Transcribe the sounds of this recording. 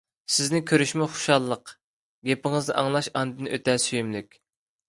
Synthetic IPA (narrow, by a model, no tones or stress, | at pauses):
sɪznɪkʲʰøɾyʃmɪχʊ̥ʃɑlˠːəq | ɡʲepɪŋɨzd̪ɨʔɑŋlˠɑʃɑnd̪ɨnʔøt̪ʰɛsyjymlɪkʲ